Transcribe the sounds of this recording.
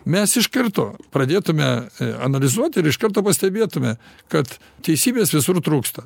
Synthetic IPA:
mʲɛsɪʃkɐrt̪oːpɾɐd̪ʲeːt̪ʊmʲɛɐ̰nɐlʲɪzuɔt̪ʲɪɾɪʃkɐɾt̪oːpɐsʲt̪ʲɛbʲeːt̪ʊmʲɛkɐt̪ | t̪ʲɛɪsʲiːbʲeːsʋʲɪsʊɾt̪ɾuːkst̪ɐ

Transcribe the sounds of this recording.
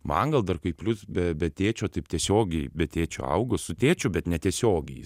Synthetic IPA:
mɐ̰ŋɡɐlˠd̪ɐrkɐɪpʲlʲʊsbʲɛbʲɛt̪ʲeːt͡ʃʲoːt̪ɐɪpt̪ʲiɛsʲoːɡʲɛɪbʲɛt̪ʲeːt͡ʃʲo̰ːɐ̰ʊɡosʊt̪ʲeːt͡ʃʲʊbʲɛt̪nʲɛt̪ʲiɛsʲoːɡʲɛɪ

